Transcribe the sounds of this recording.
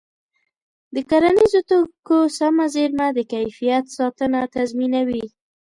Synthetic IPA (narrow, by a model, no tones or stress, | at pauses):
d̪əkaɾanizot̪okosamazeɾmad̪əkajfijat̪sɑt̪ənat̪azminawi